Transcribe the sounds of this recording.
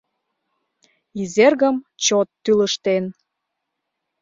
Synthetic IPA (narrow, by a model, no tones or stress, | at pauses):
izerɣəmt͡ɕot̪ːyləʃt̪en